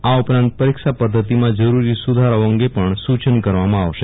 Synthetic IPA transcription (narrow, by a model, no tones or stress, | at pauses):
aupɾãnt̪̚pəɾikʃapəd̪ʱːət̪imãd͡ʒəɾuɾisud̪ʱaɾəə̃ŋɡepəɳsut͡ʃənkəɾʋamãaʋʃe